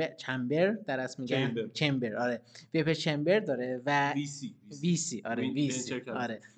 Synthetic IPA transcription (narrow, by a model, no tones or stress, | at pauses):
et͡ʃʰæmbeɾd̪æɾæsmiːɡænt͡ʃʰembeɾɒːɾevepʰet͡ʃʰembeɾd̪ɒːɾevæ | visiʔɒːɾevisiɒːɾe